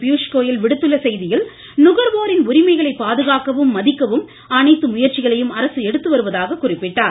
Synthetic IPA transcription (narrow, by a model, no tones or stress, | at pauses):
pjuːʂkoːjɪlʋɪɽɯt̪ːɯɭːɐsɛjðɪjɪl | nʊɣɐɾʋoːɾɪnʊɾɪmɐɪɣɐɭɐɪpːaːðɯɣaːkɐʋɯmːɐðɪkːɐʋɯm | ɐnɐɪt̪ːɯmʊjɐɾt͡ʃɪɣɐɭɐjɯmɐɾɐsɯɛɽɯt̪ːɯʋɐɾɯʋɐðaːɣɐkʊrɪpːɪʈːaːɾ